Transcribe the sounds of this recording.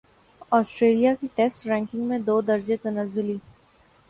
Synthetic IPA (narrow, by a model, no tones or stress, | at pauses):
ɔːsʈɾeːlijakiʈɛsʈɾɛ̃ːŋkɪ̃ŋɡmẽd̪oːd̪ɐɾd͡ʒet̪ɐnəzːʊliː